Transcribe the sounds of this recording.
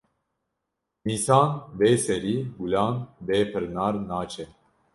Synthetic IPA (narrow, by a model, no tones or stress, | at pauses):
miːsɑːnbeːsɛɾiːɡulɑːnbeːpʰɨɾnɑːɾnaːt͡ʃʰɛ